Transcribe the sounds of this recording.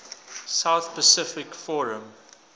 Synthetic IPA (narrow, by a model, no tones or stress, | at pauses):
saʊθpəsɪfɪkfɔɹə̃m